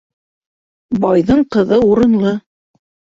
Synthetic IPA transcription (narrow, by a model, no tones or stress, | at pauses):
bɑjðɤɴqɤ̆ðɤuɾɤ̆nlˠɤ